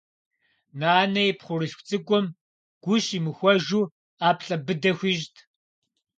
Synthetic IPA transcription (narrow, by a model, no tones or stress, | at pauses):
naːnɐjɪpχʷʊrɨɬxʷt͡sʼɨkʷʼɔm | ɡ̥ʷʊɕimɨxʷɔʒuː | aːpɬʼɐbɨdɐxʷiːʒtʰ